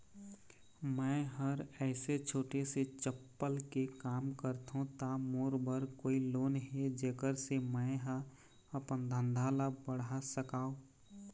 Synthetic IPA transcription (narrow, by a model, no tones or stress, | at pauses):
mɛ̃ːɦəɾɛːset͡ʃʰoːʈeset͡ʃəpːəlkekaːmkəɾt̪ũt̪amoːɾbəɾkoːiloːnɦed͡ʒeːkəɾsemɛ̃ɦa | əpənd̪ʱə̃nd̪ʱaːlabəɽasəkaːo